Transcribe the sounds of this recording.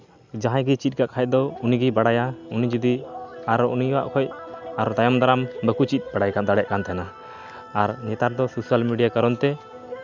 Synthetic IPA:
d͡ʒãɦãjɡit͡ʃit̪̚ˀkaʔkʰaj̚d̪ɔuniɡibaɽajaunid͡ʒud̪iaɾɔuniwa̰ʔkʰɔjaɾɔt̪ajɔmd̪aɾambəkut͡ʃit̪̚ˀbaɽajkand̪aɽɛʔkant̪ʰɛjanaː | ɾnɛt̪aɾd̪ɔsusalmiɖijakaɾɔnt̪ɛ

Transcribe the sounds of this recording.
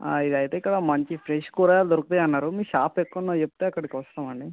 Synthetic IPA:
id̪ɐjt̪e̞ːikːɐɽɐmɐɲt͡ʃipʰɾeʂkuːɾaːjaːld̪oɾukut̪ejɐnːaːɾumiːʃaːpekːunːɐt͡ʃepːut̪eːɐkːɐɽikiʋɐst̪aːmɐɳɖi

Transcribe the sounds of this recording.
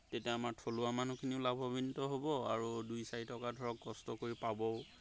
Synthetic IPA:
tetiaamaɹtʰolʊamanukʰiniʊlabʱɔbintɔɦobɔa̰ɹudujsaɹitɔkadʱɔɹɔkːkɔstɔkoɹipabɔʊ

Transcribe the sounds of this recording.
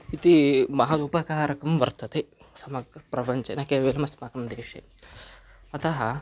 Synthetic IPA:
it̪imɐɦɐt̪upɐkaːɾɐkɐmʋɐɾt̪ɐt̪esɐmɐɡɾɐpɾɐpɐɲt͡ʃɐnaːkeːʋeːlɐmɐsmaːkɐmd̪eːʂḛ | ɐt̪ɐɦɐ

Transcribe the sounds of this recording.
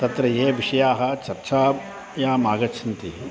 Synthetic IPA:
t̪ɐt̪ɾɐjeːʋiʂɐjaːɦɐ̆t͡ʃɐɾt͡ʃaː | jaːmaːɡɐt͡ʃʰɐnt̪i

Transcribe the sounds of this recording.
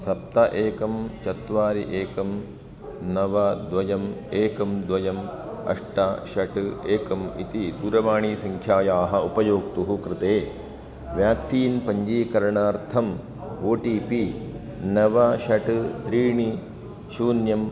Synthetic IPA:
sɐp̚t̪ɐʔeːkɐmt͡ʃɐt̪ʋaːɾiʔeːkɐm | nɐʋɐd̪ʋɐjɐmeːkɐmd̪ʋɐjɐm | ɐ̰ʂʈɐʃɐʈeːkɐmḭt̪id̪uːɾɐʋaːɳiːsɐŋkʰjaːjaːɦɐupɐjoːk̚t̪uɦukɾɪt̪eː | ʋjaːksiːnpɐɲd͡ʒiːkɐɾɐɳaːɾt̪ʰɐm | oːʈiːpi | nɐʋɐʃɐʈt̪ɾiːɳi | ʃuːnjɐm

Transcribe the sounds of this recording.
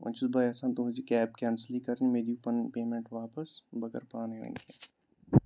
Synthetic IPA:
ɐ̰̃nt͡ʃusbaːjɐsãːnt̪õɦʊd͡ʒikɛːb̚kɛnslikɐɾnimeːd̪ijupɐnpeːmẽɳʈʋaːpəsbɐkəɾpaːneʋɐ̰̃ŋke

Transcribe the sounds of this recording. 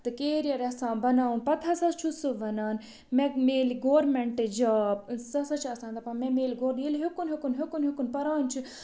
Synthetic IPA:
t̪ɨkeːɾijɐɾɐsãːbɐnaːunpɐt̪ʰɐsɐst͡ʃʰusɨʋɐnaːn | mɛ̃meːliɡoːɾmɛɳʈɨd͡ʒɐːp̚sɐsɐt͡ʃʰɐsãːnd̪ɐpɐ̃mɛ̃meːliɡoːɾɗilɦekunɦekunɦekunɦikunpɐɾaːnt͡ʃʰi

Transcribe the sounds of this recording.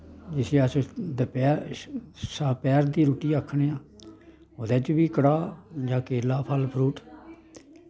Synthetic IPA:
d͡ʒɪsĩːəsd̪əpɛː | səpɛːɾd̪iːɾuːʈiːəkʰːɳeːãː | od̪ɛːt͡ʃʋiːkəɽaːd͡ʒãːkeːlaːpʰəlpʰɾuːʈ

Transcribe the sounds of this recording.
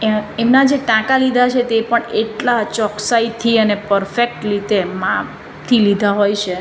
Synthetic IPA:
emnad͡ʒeʈãkalid̪ʱat͡ʃʰet̪epəɳeʈlat͡ʃɔksait̪ʰiənepəɾfek̚ʈlit̪emã | t̪ʰilid̪ʱaɦojt͡ʃʰe

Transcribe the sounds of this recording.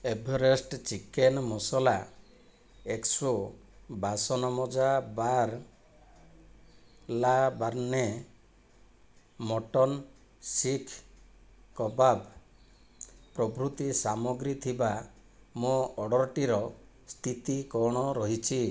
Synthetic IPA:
ebʱɔɾesʈt͡ʃikenmɔsɔla | ekso | basɔnɔmɔd͡ʒabaɾ | labaɾne | mɔʈɔn | sikʰ | kɔbab | pɾɔbɾut̪isamɔɡɾit̪ʰiba | moɔɽɔɾʈiɾɔ | st̪ʰit̪ikɔɽ̃ɔɾɔɦit͡ʃʰi

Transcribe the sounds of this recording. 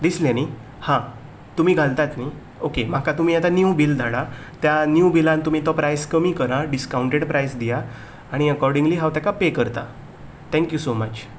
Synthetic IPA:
d̪isljani | hã | t̪um̤iːɡʱalt̪at̪ni | okem̤akat̪um̤iːat̪anjubild̪ʱaɽa | t̪janjubilãnt̪um̤iːt̪ɔpɾajskəmikəɾaɖiskauɳʈeɽpɾʔajsd̪ijaː | ɽ̃iəkɔɾɖĩŋɡliɦãwʋt̪jakapekəɾt̪a | t̪ʰɛ̃ŋkjusomət͡ɕ

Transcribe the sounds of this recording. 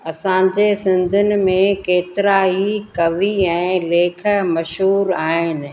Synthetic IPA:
ɐsãd͡ʑeːsɪ̃nd̪ʱʊnɪ̆mẽkeːt̪ɪɾaɦikɐʋiɛ̃ːleːkʰə̆mɐʃɦuːɾaːɦɪnɪ̆

